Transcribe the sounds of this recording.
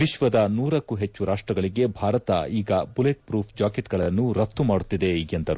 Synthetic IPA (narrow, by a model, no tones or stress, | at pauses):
ʋiʃʋɐd̪ɐnuːɾɐkːuɦet͡ʃːuɾaːʂʈɾɐɡɐɭiɡe̞bʱaːɾɐt̪ɐ̰iːɡɐbuleʈ̚pɾuːpʰd͡ʒaːkeʈɡɐɭɐnːuɾɐt̪ːumaːɽut̪ːid̪e̞iɡjend̪ɐɾṵ